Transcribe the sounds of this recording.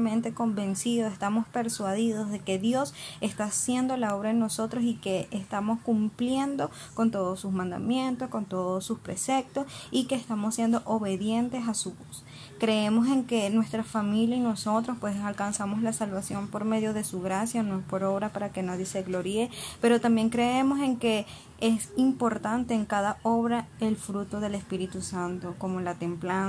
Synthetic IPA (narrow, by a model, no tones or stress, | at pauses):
mẽnt̪e̞ko̞mbe̞nsiðoest̪amo̞spe̞ɾswað̞iðo̞zðe̞ke̞ðjo̞se̞st̪asje̞nd̪o̞lao̞β̞ɾaeno̞so̞t̪ɾosike̞est̪amo̞skumplje̞nd̪o̞ | ko̞nt̪o̞ðosːusmãnd̪a̰mje̞nt̪o̞sko̞nt̪oðosuspɾe̞se̞k̚t̪o̞sike̞ːst̪amosːje̞nd̪oʔoβe̞ðje̞nt̪e̞sasuβus | kɾe̞emo̞s̬e̞ŋke̞nwe̞st̪ɾafamiljaino̞so̞t̪ɾo̞spwe̞salkansamo̞slasalβasjo̞mpo̞ɾme̞ðjo̞ð̞e̞suɣɾasjanoespo̞ɾo̞βɾapaɾake̞naðje̞se̞ɣlo̞ɾiepe̞ɾo̞t̪ambje̞ŋkɾe̞emo̞s̬e̞ŋke̞ | esimpo̞ɾt̪ant̪e̞ːŋkaðao̞βɾaelfɾut̪o̞ðe̞le̞spiɾit̪usant̪o̞ko̞mo̞lat̪e̞mplan